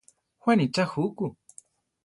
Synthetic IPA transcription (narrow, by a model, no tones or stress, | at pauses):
xwanit͡ʃahuku